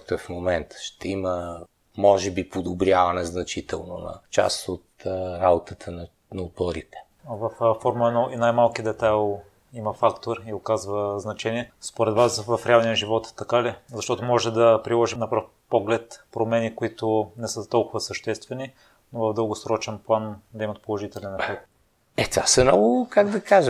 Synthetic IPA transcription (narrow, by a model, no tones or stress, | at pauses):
t̪oɛfmomɛnt̪ə̥ʃt̪ɛimə | mɔʒɛbipod̪obɾʲjavɐnɛznɐt͡ʃit̪ɛlˠno̰nɐ̰t͡ʃa̰sot̪ɾabot̪ət̪ʰənɐ | nɐop̪ɔɾit̪ɛ̥ | vɐffɔɾmɐɛnɔʔinajmalˠkid̪ɛt̪alˠ | imɐfakt̪oɾiokazvəznɐt͡ʃɛniɛspoɾɛd̪vasvɐfɾɛalˠnijəʒivɔt̪ːɐkalizɐʃt̪ɔt̪ʊmɔʒɛd̪ɐpɾilˠɔʒinɐpɾaf | pɔɡlɛt̪pɾomɛnikʊit̪ʊnɛsɤt̪ɔlˠkʊvəsəʃt̪ɛst̪vɛni | novɐvd̪ɤlˠɡʊsɾɔt͡ʃɛnplˠand̪ɐɛimət̪polˠoʒit̪ɛlɛnɐkɾɛk̪̚t̪ | ɛt̪va̰sɛmnɔɡʊkaɡd̪ɐkaʒə